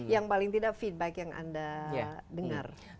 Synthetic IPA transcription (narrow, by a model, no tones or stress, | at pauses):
jaŋpalɪŋt̪idakfit̪̚bɛkjaŋa̰ndaadəŋa̰r